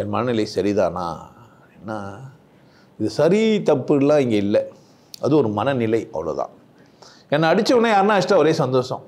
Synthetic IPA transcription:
ɛnmɐnɐnɪlɐɪsɐɾiða̰ːnːa̰ː | iːnːaː | ɪðɯsɐɾit̪ɐpːɯɽɯlãːɪŋɡeːɪlːɛ | ɐðɯɔɾɯmɐnɐnɪlɐɪɐ̰ʋːɐlo̰ːt̪ã̰ː | ɛnːɐːɽɪt͡ʃːɐpɔnːẽjaːɾɯnãːɪsʈɾɐ̃ɔɾeːsɐnd̪oːsɐ̰̃

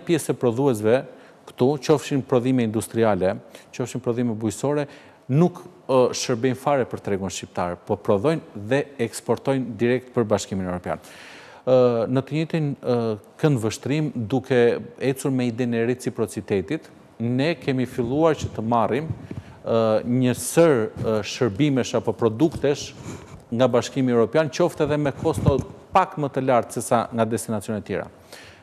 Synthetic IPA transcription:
pjɛsɛpɾɔðuɛs̬vɛ | kt̪ut͡ʃɔfʃinpɾɔðimɛind̪ust̪ɾialɛt͡ʃɔfʃinpɾɔðimɛbujsɔɾɛ | nukʃəɾbɛjnfaɾɛpəɾt̪ɾɛɡuənʃcip̚t̪a̰ɾɛpɔpɾɔðɔjnðɛɛkspɔɾt̪ɔjnd̪iɾɛk̚t̪̚pəɾbaʃkiminɛvɾɔpja̰n | nət̪əɲɛt̪inkənd̪vəʃt̪ɾimd̪ukʰɛɛt͡suɾmɛid̪ɛnɛɾɛt͡sipɾɔt͡sit̪ɛt̪it̪ | nɛkɛmifilˠuaɾt͡ɕət̪əmarim | ɲəsəɾʃəɾbimɛʃapɔpɾɔd̪ukt̪ɛʃŋɡabaʃkimiɛvɾɔpjant͡ɕɔft̪ɛðɛmɛkʰɔst̪ɔpakmət̪əlaɾt̪sɛsaŋɡad̪ɛst̪inat͡sjɔnɛt̪jɛ̰ɾa̰

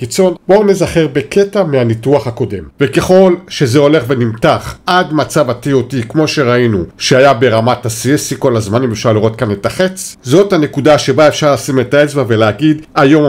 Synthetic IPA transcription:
kit͡so̞nbounezaχeʁbe̞kʰetameanituaχhako̞de̞mvekeχo̞lʃe̞zeo̞le̞χve̞nimtaχadmat͡savatio̞tikmo̞ʃeʁainuʃeajabe̞ʁamatasisiko̞lazmanimefʃaʁliʁo̞t̚kanetaχet͡szo̞thane̞kudaʃe̞baefʃaʁlasimetaet͡svave̞leaɡidajo̞m

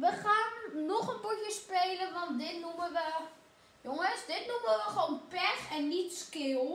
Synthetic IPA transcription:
ʋəxaːnːoχənputjəspeːləʋɔnt̚dɪtnuməʋə | joŋəsdɪtnuməʋəχəʋoːnpɛxɛnːitskɪlˠ

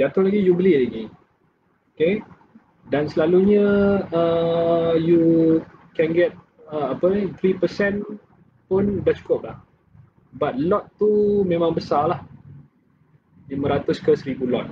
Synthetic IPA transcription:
d͡ʒat̪ʊhlaɡijubəliʔlaɡi | oke | dansəlaluɲəə | ju | kɛnɡɛt̪̚ | əapət̪ɾipəsɛn | pʊndaht͡ʃu̥kʊp̚lah | bat̪̚lɔt̪ːumẽmãŋbəsalah | jamə̃ɾat̪ʊskəsəɾibulɔt̪̚

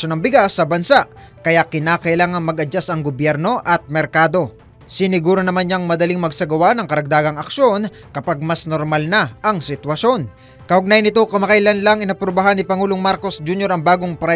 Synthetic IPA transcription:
onɐŋbɪɡasːɐbɐnsa | kɐjakɪnaːkɐʔɪlaːŋɐŋmɐɡʔɐd͡ʒasɐŋɡobjɛɾno̞ʔɐt̪̚mɛɾkaːd̪o̞ | sɪnɪɡuːɾonɐmanɲaŋmɐd̪ɐlɪŋmɐɡsɐɡɐwanɐŋkɐɾɐɡ̚d̪aːɡɐŋɐkʃjo̞n | kɐpaɡ̚mɐsnoɾmalnɐʔɐŋsɪt̪wɐʃo̞n | kɐʔʊɡ̚najɐnɪt̪o̞kɐmɐkɐjlɐnlɐŋɪnɐpɾobɐɦanːɪpɐŋuːloŋmaɾko̞sd͡ʒunjo̞ɾɐŋbaːɡo̞ŋpɾɐ

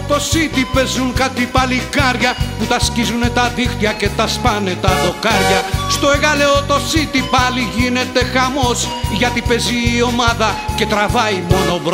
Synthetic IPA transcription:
t̪o̞sit̪ipe̞zuŋkɐt̪ipɐlikɐɾʝɐput̪ɐscizunet̪ɐðixt̪iɐce̞t̪ɐspɐne̞t̪ɐðo̞kɐɾʝɐst̪o̞e̞ɣɐle̞ot̪o̞sit̪ipɐliʝine̞t̪e̞xɐmo̞s | ʝɐt̪ipe̞ziːo̞mɐðɐce̞t̪ɾɐvɐimo̞no̞vɾ

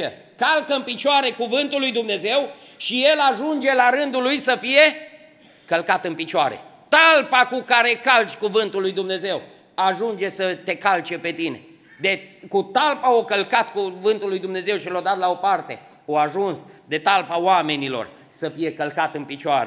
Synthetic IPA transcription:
e | kalkəɨnpit͡ʃaɾe̞kuvɨnt̪ulːujd̪umne̞ze̞w | ʃije̞laʒund͡ʒe̞laɾɨnd̪ulujsəfije̞ | kəlkat̪ɨnpit͡ʃoaɾḛt̪alpakukaɾe̞kalt͡ʃʲkuvɨnt̪ulːujd̪umne̞ze̞w | aʒund͡ʒe̞sət̪e̞kalt͡ʃe̞pe̞t̪ine̞̰ | d̪ekut̪alpaokəlkat̪kuvɨnt̪ulːujd̪umne̞ze̞wʃilad̪at̪lao̞part̪e̞ | oaʒunsd̪e̞t̪alpaoame̞nilo̰r | səfije̞kəlkat̪ɨnpit͡ʃaɾe

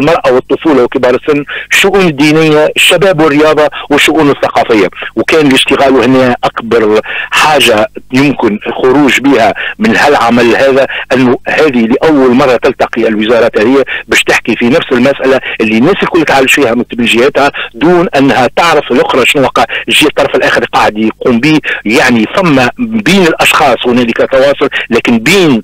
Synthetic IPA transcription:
lmɑɾˤʔɑwɨt̪ˤːʊfuːlawkɪbɑːɾˤəsːʊnːɪʃːʊʔuːnɪd̪ːiːnɪjːaɪʃːæbæːbwɪrːɪjɑːðˤɑwɪʃːʊʔuːnɪθːɑqɑːfɪjːawkæːnɪlɪʒt̪ɪɣæːlwhɪnːæːʔakbɑɾˤħaːʒajʊmkɪnxʊɾuːʒbiːhæmɪnhælʕamælhæːðæʔɪnːuhæːðiliʔæwːalmɑrˤːɑt̪ɪlt̪ɑqiɪlwɪzɑːɾˤɑːt̪hæðɪjːabɛːʃt̪ɪħkifinæfsɪlmæsʔalaʔɪlːinːæːsɪlkʊlːt̪ʕalːɪʃfiːhæmʊt̪mɪnʒɪhæt̪hæd̪uːnʔænːhæt̪ɑʕɾɪfɪlʔʊxɾˤɑʃɪnwɑqːɑʕʒiːat̪ˤːɑɾˤɑfɪlʔæːxəɾqɑʕd̪ijquːmbiːjaʕniθæmːæbiːnɪlʔɑʃxɑːsˤhʊnɛːlɪkæt̪ɑwɑːsˤʊllːæːkɪnbiːn

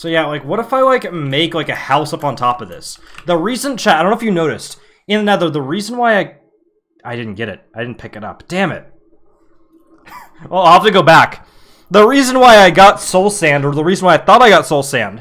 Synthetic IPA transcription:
soʊjælaɪkwʌɾəfaɪlaɪkɨmeɪklaɪkɨhaʊsʌpn̩tʰɑpʌvðɪ̰sðəɹisɨ̃nt͡ʃʰæaɪdõʊ̃noʊɨfjɨnoʊɾɨst | ɨ̃nðɨnaðə˞ðəɹizə̃n̩waɪaɪ | aɪdɪdⁿn̩ɡ̥ɛɾɨ̰t̚aɪdɪdⁿn̩pʰɪkɨɾʌ̰p̚d̥æ̃mɪ̰t̚ | wʔɛlˠaɪhæftɨɡoʊbæk | ðəɹizɨ̃nwaɪaɪɡɑtsoʊlˠsæ̃ndə˞ðəɹizn̩waɪaɪθɔɾaɪɡɑtsoʊlˠsæ̃nd̥

